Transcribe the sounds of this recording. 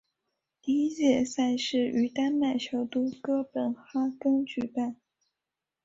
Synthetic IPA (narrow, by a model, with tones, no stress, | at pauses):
t̪i˧˥i˥t͡ɕjɛ˥˩sa˥˧ɪʂɻ̩˥˩y˧˥t̪a˥nma˥˩ɪt͡ɕʰjo˧˥ʊt̪u˥kɤ˥pə˨˩nxa˥kɤ˥ŋt͡ɕy˨˩pa˥˩n